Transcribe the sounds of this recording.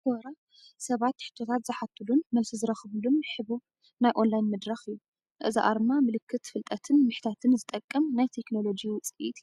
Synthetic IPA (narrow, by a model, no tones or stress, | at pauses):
ɔɾa | sɐβat̪ħɨ̥t̪ʰːo̞t̪ʰat̪zɨħat̪ʰːɨlunmɐmsizɨɾɐxβlumħɨβu | najʔo̞nlajnmɐd̪ɾaxɨjːu | ʔɨzḭʔa̰ɾmamɨlɨkʰːɨt̪fɨlt̪ʼɐt̪ʰɨnmɨħt̪ʰat̪ʰɨnzɨt̪ʼɐkʼːɐmnajt̪ʰe̞kno̞lo̞d͡ʒit͡sʼɨit̪